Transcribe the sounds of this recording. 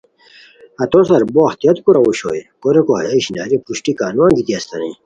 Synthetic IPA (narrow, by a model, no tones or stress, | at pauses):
ɐt̪osɐɾboːxt̪ijɐt̪kuɾɐuɕo̰jkoɾekoɦɐjaiɕina̰ːɾipuɕʈikaːnuãŋɡit̪iɐst̪ɐ̰nḭ̃